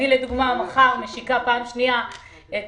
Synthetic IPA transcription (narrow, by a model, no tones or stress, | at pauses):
ileduɡmamaχaʁmeʃikapaːmʃnia | e